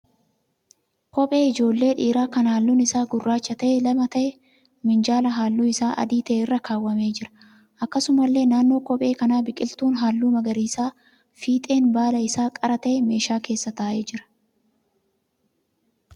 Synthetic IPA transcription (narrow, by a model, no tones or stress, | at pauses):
kɔpʼe̞ːɪd͡ʒo̞ːlːe̞ːᶑiːɾaːkɐnhaːlːuːnɪsaːɡʊrːaːt͡ʃːɐt̪ɐʔɛlɐmɐt̪ɐʔɛ | mɪnd͡ʒaːlɐɦaːlːuːɪsaːʔɐ̰d̪iːt̪ɐʔeːrːɐkʰaːwːɐmeːd͡ʒɪɾɐ̥ | ʔɐkːɐsʊmɐlːe̞ːnaːnːo̞ːkɔpʼe̞ːkɐnaːbɪkʼɪlt̪uːnɦaːlːuːmɐɡɐɾiːsaː | fiːt̪ʼe̞ːnbaːlɐɪsaːkʼɐɾɐt̪ɐʔɛme̞ːʃaːke̞ːsːɐt̪ɐaːʔe̞ːd͡ʒɪɾɐ̥